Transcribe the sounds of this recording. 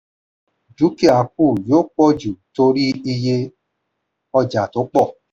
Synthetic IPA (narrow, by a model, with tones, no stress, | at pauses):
d͡ʒu˨˦ki˦a˨k̚u˦˨jo˦k͡pɔ˦d͡ʒu˨to˧ɾi˦i˧je˧ | ɔ˧d͡ʒa˨to˨˦k͡pɔ˦˨